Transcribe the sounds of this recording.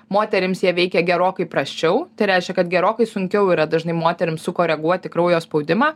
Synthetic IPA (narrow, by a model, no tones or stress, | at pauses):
moːt̪ʲɛɾʲɪmsjiɛʋʲɛɪkʲɛɡʲɛɾoːkɐɪpɾɐsʲt͡ʃʲɛʊt̪ɐɪɾʲæɪʃʲkʲɛkɐt̪ɡʲɛɾoːkɐɪsʊŋʲkʲɛʊiːɾɐd̪ɐʒʲɪnɐɪmoːt̪ʲɛɾʲɪmssʊkoːɾʲɛɡuɔt̪ʲɪkɾɐʊjoːspɐʊd̪ʲɪmɑː